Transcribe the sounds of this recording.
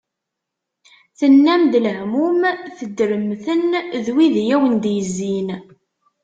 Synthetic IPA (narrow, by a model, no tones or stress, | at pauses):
θənːæmd̪ləʕmumθəd̪ɾəmθənðwiðjæwənd̪jəzːin